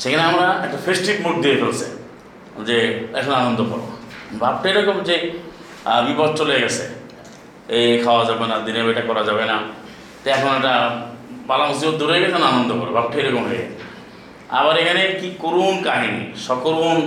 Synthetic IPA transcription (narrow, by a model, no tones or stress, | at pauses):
ʃekʰaneamɾaɛk̚ʈafʰesʈiʈmoʈd̪iefolsʰḛ | d͡ʑeɛ̰kʰanoanond̪okɔ̰ɾo̰bʱap̚ʈʰajɾɔkomd͡ʑe | bipɔt̪̚t͡ɕoleeɡɛt͡ɕʰe | ekʰaoad͡ʑabenad̪inebeʈakɔɾad͡ʑabena | t̪aɛkʰonoɛkʈabalamosd̪ibod̪ʱːoɾoekɛkʰananond̪okɔɾebʱap̚ʈʰajɾɔkomɦojḛɛ̰ | a̰baɾekʰanekikoɾunkaɦinḭʃɔkoɾun